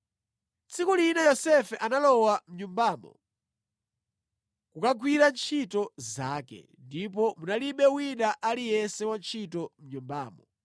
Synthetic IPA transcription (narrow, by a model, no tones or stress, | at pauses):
t͡sʰikulinajɔsɛfɛʔanalɔwam̩ɲumbaːmɔ̰ | kukaɡwiɾant͡ʃʰitɔzaːkɛ̰ | ndip̬ɔmunaliɓɛwinaʔalijɛnsɛwant͡ʃʰitɔm̩ɲumbaːmɔ